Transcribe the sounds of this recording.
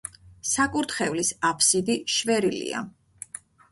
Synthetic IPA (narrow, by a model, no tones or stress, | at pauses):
sakʼuɾt̪χɛvlisapʰsid̪iʃvɛɾilḭa̰